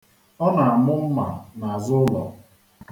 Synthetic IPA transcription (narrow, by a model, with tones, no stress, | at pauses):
ɔ˦na˨a˨mʊ˦m̩˦ma̰˨na˨a˨zʊ˦lɔ̰˨